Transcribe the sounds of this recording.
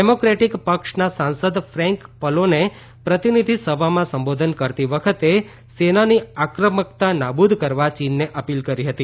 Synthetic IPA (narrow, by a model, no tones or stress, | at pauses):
ɖemokɾeʈikpəkʃnasãnsəd̪fɾɛ̃ŋkpəlone | pɾət̪inid̪ʱisəbʱamãsəmbod̪ʱənkəɾt̪iʋəkʰət̪e | senaniakɾəməkt̪anabud̪ʱkəɾʋat͡ʃinːeʔəpilkəɾiɦət̪i